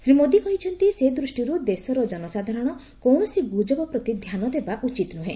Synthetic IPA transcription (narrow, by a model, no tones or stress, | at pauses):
sɾimod̪ikɔɦit͡ʃʰɔnt̪ised̪ɾusʈiɾud̪esɔɾɔd͡ʒɔnɔsad̪ʱaɾɔɽ̃ɔ | kɔwɳɔsiɡud͡ʒɔbɔpɾɔt̪id̪ʱjanɔd̪ebaʔut͡ʃit̪nuɦẽ